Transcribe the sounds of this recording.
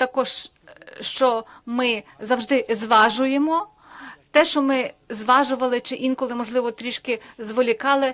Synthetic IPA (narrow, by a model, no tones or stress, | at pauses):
t̪ɐkɔʒ | ʃt͡ʃɔmɪzɐwʒd̪ɪzʋɑʒʊjemɔ | t̪ɛʃt͡ʃɔmɪzʋɑʒʊʋɐlˠɪt͡ʃɪʔinkɔlˠɪmɔʒlˠɪʋɔt̪ɾʲiʃkɪzʋɔlʲikɑlˠɪ